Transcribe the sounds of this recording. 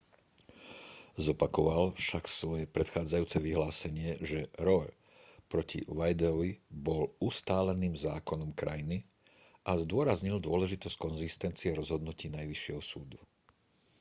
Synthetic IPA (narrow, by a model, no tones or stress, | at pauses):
zɔpakɔʋalfʃaksʋɔjɛpɾɛt̪xaːd͡zajuːt͡sɛʋiɦlaːsɛɲɪɛʒɛɾɔɛ | pɾɔcḭʋajd̪ɛɔʋibɔlust̪aːlɛniːmzaːkɔnɔmkɾa̰jni | ʔazd̪ʊɔɾazɲild̪ʊɔlɛʒit̪ɔsc̚kɔnzist̪ɛnt͡siɛɾɔzɦɔd̪nuciːnajʋiʃɪɛɦɔsuːd̪u